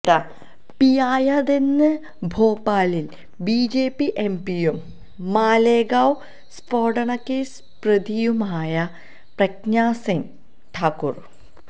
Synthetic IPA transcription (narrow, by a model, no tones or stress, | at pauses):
ɽɐ | pijaːjɐd̪enːɨ | bʱoːpːaːlil | biːd͡ʑeːpːiʔempijumː | aːleːɡaːw | sfoːɽɐɳɐkːes | prɨd̪ijumaːjɐ | prɐknaːsen | ʈʰaːkːur